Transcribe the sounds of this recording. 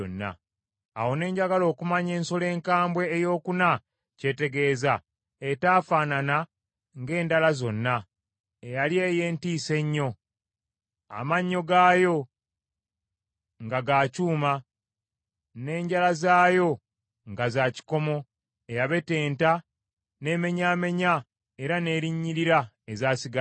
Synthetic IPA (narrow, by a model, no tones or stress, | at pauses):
o̰nːa̰ː | wo̞ne̞ːɲɟaɡalo̞ːkumaɲe̞ːnso̞le̞ːŋkaːmbwe̞ːjo̞ːkuna | ce̞te̞ɡe̞ːza | etaːfaːnana | ŋɡe̞ːndalazo̞nːa | ejalje̞ːjeːntiːse̞ɲːo̞ | a̰maɲːo̞ɡaːjo̞ | ŋɡaɡaːcuːma | ne̞ːɲɟalazaːjo̞ | ŋɡazaːci̥ko̞mo̞ | e̞jaβe̞te̞ːnta | ne̞ːme̞ɲaːme̞ɲa | eɾane̞ːɾiɲːiɾiɾa | ezaːsiɡa